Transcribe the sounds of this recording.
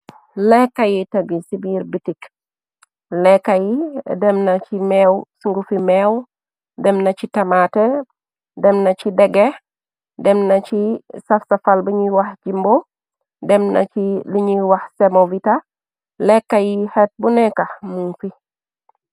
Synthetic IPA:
lɛkːajitɐɡisibiːɾbitik | lɛkːajidɛmnacimɛːwsuŋɡufimɛw | dɛmnɐt͡ʃitɐmatɛ | dɛmnɐt͡ʃidɛɡɛ | dɛmnɐt͡ʃisɐfsɐfalbiɲiwaxd͡ʒimbo | dɛmna̰iliɲiwɐxsɛmovita | lɛkːajihɛt̚bunɛkahmunfi

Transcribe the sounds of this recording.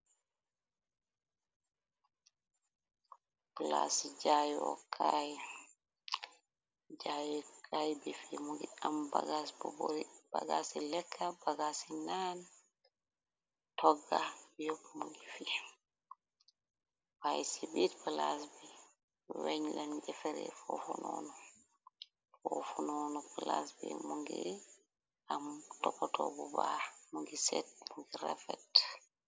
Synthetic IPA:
pla̰sid͡ʒajɔ̰kʰaj | d͡ʒajɔkʰajbifimuɡiambaɡasbɔbɔɾb̥a̰ɡa̰silɛkʰːabaɡasinan | tɔɡːajɔpmuŋɡifi | fajsibitpalasbi | wɛɲland͡ʒɛfɛɾɛ̰fɔfunɔnɔ | fɔfunɔnɔpalasbḭmuŋɡi | amtɔkːɔtʰɔbubamuŋɡisɛt̚muŋɡiɾafɛt

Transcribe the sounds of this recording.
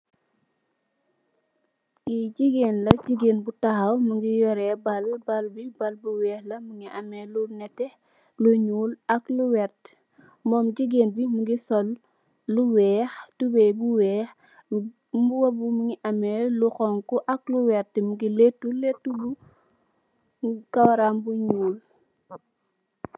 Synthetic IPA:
ɡiɟiɡeːnlɐɟiɡeːnbutahawmuŋɡijɔɾɛbɐlbɐlbibɐlbuwɛːxlɐmuŋiʔɐmɛlunɛtːɛ | luɲuːlɐkluwɛɾt | mɔːmɟiɡeːnbimuɡisɔlː | uwɛːxtubɛbuwɛːx | mbuwɐbumuŋiʔɐmɛluxɔŋkuʔɐk̚luwɛɾtmuɡiletːuletːubu | kɐwɐɾaːmbuɲuːl

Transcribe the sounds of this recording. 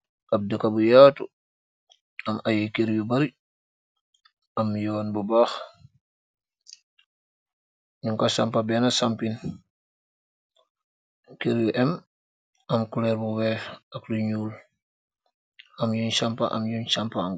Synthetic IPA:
ʔɐb̚dəkabujaːtu | ɐmajekeɾjubɐɾi | ɐmjɔːnbubaːx | ɲuŋkasampabɛːnasampin | keɾjuʔɛm | ɐmkulɛɾbuwɛːfɐkluɲuːl | ɐmjunʃampa̰ʔɐ̰mjunt͡ʃampam

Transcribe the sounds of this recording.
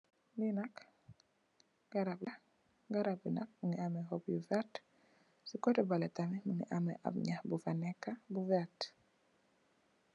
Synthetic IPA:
linak | ɡ̥aɾabla | ɡaɾabinak̚muŋiamɛɦɔbjuvat | sikɔtɛbalɛt̪amɛmuŋɛ̰ʔamɛ̰ʔa̰bɲabufanɛkabuvat

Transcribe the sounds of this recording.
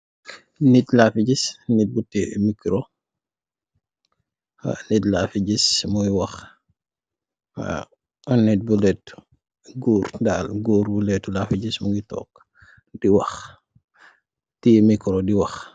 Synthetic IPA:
nitlafiɟisnit̚butimikɾo | a̰nitlafiɟismujwɐx | a̰ | nit̚bulɛt | ɡuːɾdaːlɡuːɾbulɛtulafiɟismuɡitɔ̰ːk̚ | diwɐx | timikɾodiwɐx

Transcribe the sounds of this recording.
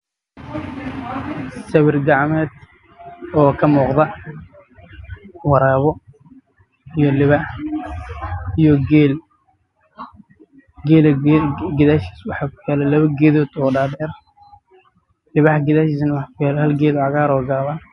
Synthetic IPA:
sɐβɪrɡɑʕmɛːd̪ | ɔːkʰɐmuːqðɐ | wɑɾaːβɔ | ijɔlɪβaːħ | ijɔɡɛːl | ɡɛːlɡɪðaːʃi̥ːswɑħɑkʊ̥jɛːlɛlɐβɐɡɛːðɔːd̪ɔːɖaːdɛːr | lɪβaːħɡɪðaːʃiːsnɐwɑħɑkʰʊjaːlɛhɐlɡɛːðɔʕɑɣaːɾɔːɡaːβaː

